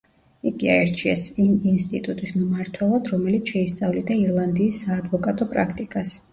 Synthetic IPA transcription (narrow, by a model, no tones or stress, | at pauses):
iɡiaɛɾt͡ʃʰiɛsiminst̪ʼit̪ʼut̪ʼismmaɾt̪ʰwɛlˠad̪ɾɔmɛlit̪sʰʃɛist̪sʼavlid̪aiɾlˠand̪iːsːaːd̪vɔkʼat̪ʼɔpʼɾakʰt̪ʼikʼas